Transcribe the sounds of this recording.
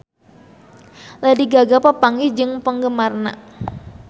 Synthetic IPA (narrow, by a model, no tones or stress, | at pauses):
lajdiɡaɡapəpaŋid͡ʒɨŋpəŋɡəmarna̰